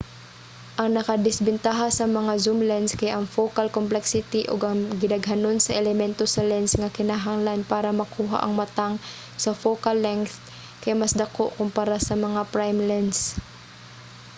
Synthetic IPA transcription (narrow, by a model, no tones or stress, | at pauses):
ʔɐŋnɐkad̪ɪsbɪnt̪aɦasɐmɐŋazumlɛnskɐjaʔɐŋfokalkomplɛksɪt̪iʔoɡɐŋɡɪnɐɡɦɐnonsɐʔɛlɛmɛnt̪osɐlɛnsŋɐkɪnaɦaŋlanpaːɾɐmɐkuːɦa̰ʔɐŋmɐt̪aŋ | sɐfokalːɛŋθ | kɐjmɐsd̪ɐkoʔkʊmpaɾasɐmɐŋapɹajmlɛns